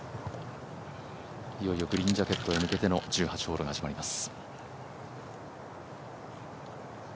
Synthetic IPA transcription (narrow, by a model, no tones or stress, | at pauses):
ijo̞io̞ɡɯ̟ɾʲĩɲd͡ʑake̞t̪ːo̞e̞mɯ̟ke̞t̪e̞no̞d͡ʑɨːhat͡ɕi̥ho̞ːɾo̞ɡahaʑimaɾʲimasɨ̥